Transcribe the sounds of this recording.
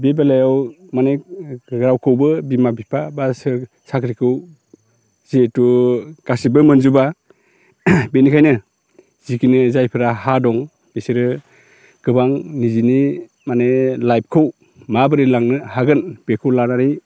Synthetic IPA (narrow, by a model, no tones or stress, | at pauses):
bebalajaw | maneɡɾawkʰɯwbɯbimabipʰabasɯ | sakʰɾikʰɯw | z̥etuɡ̥asibɯmɯnzuba | benikʰajnɯ | z̥ikinɯzajpʰɯɾahadɔŋ | b̥esiɾɯ | ɡ̥ɯbaŋnizini | manelajb̚kʰɯw | mabɯɾilaŋnɯhaɡɯnb̥ekʰɯwlanaɾij